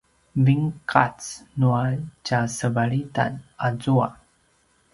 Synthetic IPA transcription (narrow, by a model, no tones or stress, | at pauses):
viŋkʰat͡snuat͡ɕasəvaɭita̰nazua̰